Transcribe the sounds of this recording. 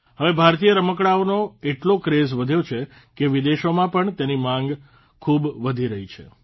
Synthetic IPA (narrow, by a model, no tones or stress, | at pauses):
ɦəʋebʱaɾt̪ijəɾəməkɽaonoeʈlokɾezʋəd̪ʱjot͡ʃʰe | keʋid̪eʃomãpəɳt̪jenimãŋɡ | kʰubʋəd̪ʱiɾəɦit͡ʃʰḛ